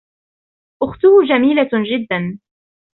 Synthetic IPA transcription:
ʔʊxt̪ʊhʊd͡ʒamiːlad͡ʒɪd̪ːan

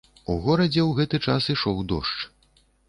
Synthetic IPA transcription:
uɣɔɾɐd͡zʲɛwɣɛt̪ɨt͡ʂasiʂɔwd̪ɔʂt͡ʂ

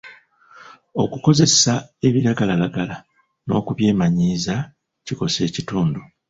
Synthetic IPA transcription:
o̞kuko̞ze̞sae̞βiɾaɡalalaɡala | no̞̰ːkuβje̞ːmaɲiːza | ciko̞se̞ːcituːndu

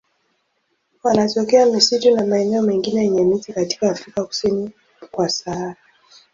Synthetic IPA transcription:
wanatɔkɛamisitunamaɛnɛɔmɛŋɡinɛjɛɲɛmitikati̥kaːfɾikaku̥sini | kwasaaɾa

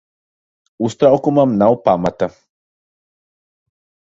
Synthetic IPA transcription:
ust̪ɾaokumamnawpamat̪a

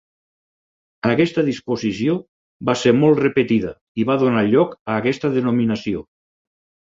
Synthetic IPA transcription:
əkɛst̪əðispozisio | baseɾmɔlˠt̪repet̪iðə | iβaðunaʎɔkəːkɛst̪əðənominəsio

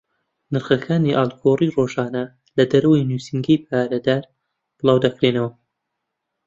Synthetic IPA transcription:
nɨɾχɐkʰaːniʔaːlˠɡʰoːriːroːʒaːnɐ | lɐd̪ɐɾɐwɐjnuːsɨŋɡɐjp̚ʰaːɾɐd̪aːɾ | b̥ɨlˠɑːwd̪ɐkɾenɐwɐ

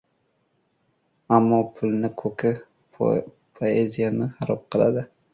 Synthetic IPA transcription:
amːɒpʰʊlˠnɪkʰɵkʰɪ | pʰoezijanɪhaɾɒp̚qʰɨlˠa̰d̪ɪ

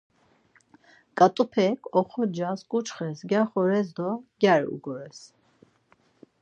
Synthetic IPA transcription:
kʼat̪ʼupʰɛkʰɔχɔd͡ʒaskʼut͡ʃʰχɛsɡjaχɔɾɛzd̪ɔɡʲjaɾṵɡɔɾɛs

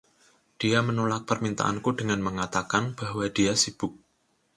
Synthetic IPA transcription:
d̥iamənolak̚pərmint̪a̰ʔa̰nkudəŋanməŋat̪akanb̥a̤hwad̥iasib̥ʊk̚

